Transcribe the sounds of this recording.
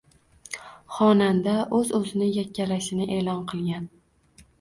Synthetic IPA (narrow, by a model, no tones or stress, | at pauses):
χɒnand̪aʔɵzɵzɪnɪjakʲːalaʃɪnɪʔe̞ːlɒnqʰɨlˠɡʲan